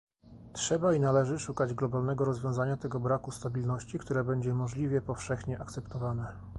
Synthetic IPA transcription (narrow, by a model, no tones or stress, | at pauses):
tʂɛbainalɛʐɘʂukad͡ʑɡlɔbalnɛɡɔɾɔzvʲjɔ̃w̃zaɲat̪ɛɡɔbɾakust̪abʲilnɔɕt͡ɕikt̪uɾɛbɛɲd͡ʑɛmɔʐlʲivʲjɛpɔfʂɛxɲɛʔakt̪sɛpt̪ɔvanɛ